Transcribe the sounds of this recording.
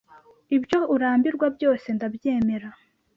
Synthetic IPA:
ibjo̞uɾaːmbiɾɡwabjo̞ːse̞ndabje̞ːme̞ɾa

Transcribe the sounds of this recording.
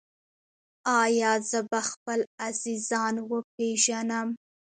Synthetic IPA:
ɑjɑzəbaxpəlaz̥izɑnwəpeʒanəm

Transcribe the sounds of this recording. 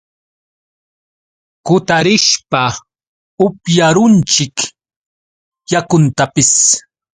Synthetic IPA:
kʊt̪aɾɪʃpa | ʊpjaɾʊnt͡ʃɪk | jakʊnt̪apɪs

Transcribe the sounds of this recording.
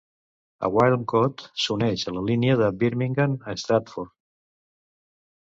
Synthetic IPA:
ə̰ɣwajlˠmkot̪sunɛʃələliniəðəbiɾmiŋɡanəst̪ɾat̪foɾ

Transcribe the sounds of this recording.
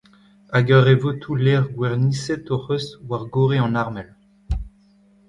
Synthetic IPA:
aɡœʁevot̪ʰulɛʁɡwɛʁnisɛt̪oʁøsvwaʁɡoʁeɑ̃naʁmɛl

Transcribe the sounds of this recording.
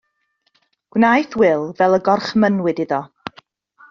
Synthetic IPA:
ɡ̥wnajθwɪlˠvɛlˠəɡɔrχmənwɪdɪðɔ

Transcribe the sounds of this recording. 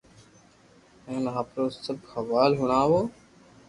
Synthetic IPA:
ẽːnɦaːpɾoːsəbxʰaʋaːlɦʊɽ̃aːʋoː

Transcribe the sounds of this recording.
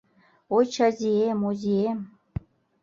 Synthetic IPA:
ojt͡ɕazʲiemozʲiem

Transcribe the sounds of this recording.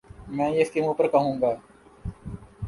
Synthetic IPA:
mɛ̃ːjest̪imõːpəɾkəɦũːŋ̆ɡaː

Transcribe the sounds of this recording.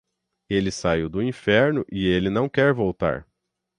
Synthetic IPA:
elɪsaiwd̪ʊĩfɛɾnʊʔɪelɪnɐ̃w̃kɛɾvowt̪a̰ɾ

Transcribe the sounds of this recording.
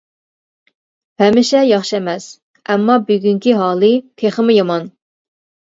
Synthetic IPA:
hɛmɪʃɛjɑχʃɛmɛs | ɛmːɑbyɡʲyŋkʲiɦɑːlˠɨt̪ʰeχəmʊjɑmɑn

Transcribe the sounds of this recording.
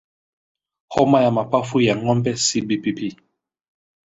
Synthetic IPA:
hɔmajamapafujaŋɔmbɛsibipipi

